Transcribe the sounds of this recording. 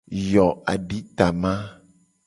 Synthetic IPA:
jɔ˨a̰˨ɖi˦t̪a˨mã˦

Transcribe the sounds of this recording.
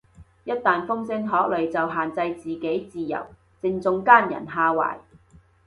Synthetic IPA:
jɐ˥t̚t̪aː˨nfʊ˥ŋsɪ˥ŋɦɔː˨˥k̚lɵ˨ɥt͡sɐ˨wɦaː˨˩nt͡sɐ˧jt͡siː˨˩ke˨˥jt͡siː˨jɐ̰˨˩w | t͡sɪ˧ŋt͡sʊ˧ŋkaː˥˩njɐ̰˨˩nɦaː˧wa̰ː˨˩j

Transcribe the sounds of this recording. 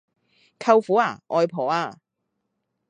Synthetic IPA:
kʰɐ˧wfuː˨˥aː˨˩ʔɔː˧jpʰɔː˨˩aː˧

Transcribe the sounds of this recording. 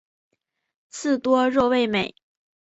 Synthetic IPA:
t͡sʰɹ̩˥˩t̪wɔ˥ɻo˥˧we˥˩ɪme˨˩˦ɪ

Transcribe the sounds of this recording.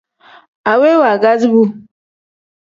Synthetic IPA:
a˨we˦wa˨ɡa˦zi˦bu˦

